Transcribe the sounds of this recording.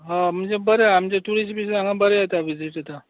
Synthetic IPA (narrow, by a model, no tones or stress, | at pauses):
ɦãm̤əɳd͡zebəɾeamt͡ɕaʈuɾisʈpisaŋɡabəɾeət̪aʋid͡ziʈɦət̪a